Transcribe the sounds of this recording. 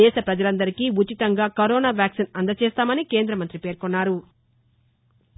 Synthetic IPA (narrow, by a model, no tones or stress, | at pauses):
ɛːʃɐpɾɐd͡ʒɐlɐnd̪ɐɾikiːut͡ʃit̪ɐŋɡaːkɐɾɔːnaːʋjaːksinɐnd̪ɐt͡ʃeːst̪aːmɐnike̞ːnd̪ɾɐmɐnt̪ɾipe̞ːɾkonːaːɾu